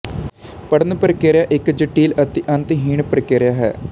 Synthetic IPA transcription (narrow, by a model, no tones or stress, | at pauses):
pəɽənpəɾkeːɾjaːʔɪkd͡ʒəʈːiːlət̪iʔɐ̃nt̪ɦiːɳpəɾkeːɾjaːɦɛ̰ː